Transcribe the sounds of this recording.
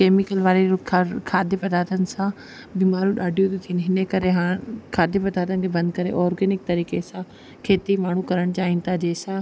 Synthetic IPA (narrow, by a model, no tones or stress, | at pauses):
keːmɪkəlʋaːɾikʰːkʰaːd̪epɐd̪aːɾt̪ʰənɪ̆sã | biːmaːɾuɗaːɖʱijot̪ʰot̪ʰiənɦɪnəkɐɾeɦaːkʰaːd̪epɐd̪aːɾt̪ənɪ̆kʰeːbɐ̃nd̪kɐɾeʔɔːɾɡeːnɪk̚t̪ɐɾiːkesã | kʰeːt̪imaːɳ̤ukɐɾəɽ̃t͡ɕaːɦĩn̆t̪ʰaːd͡ʑeːsã